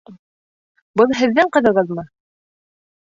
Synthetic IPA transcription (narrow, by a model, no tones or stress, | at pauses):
bɤlˠɦɘ̆ðːɘɴqɤ̆ðɤ̆ʁɤðmɤ